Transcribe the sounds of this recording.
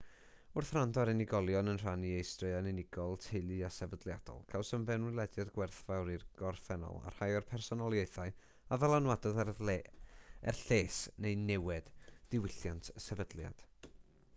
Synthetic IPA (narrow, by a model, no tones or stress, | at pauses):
ʊrθrandɔɾɛnɪɡɔlˠjɔnənr̥aniejstrɨanɪnɪɡ̥ɔlˠtʰɪlˠɨasɛvədlˠjad̥ɔ̰lˠkʰawsəmvɛnwɪlˠɛdjadɡwɛrθvawɾirɡ̥ɔrθɛnɔ̰lˠa̰r̥hajɔrpʰɛrsɔnɔlˠjeɨθaɨ | avɛlˠanwadɔð | ɛ̰rɬeːsnejnɛwɛd̥d̥ɪwɪɬjantʰsɛvədlˠja̰d̥